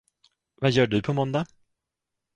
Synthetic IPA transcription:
vajœːɖɵpʰɔmɔnd̪a

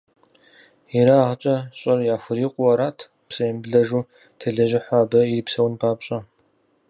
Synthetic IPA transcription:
jiɾaʁt͡ʃʼɐɕʼɐrjaːxʷʊɾiːqʷʼʊwɐɾaːtʰ | psɐjɐmbɮɐʒuː | tʰɨɮɐʒɪħʷaːbɐiripsɐwnpʰaːpɕʼɐ

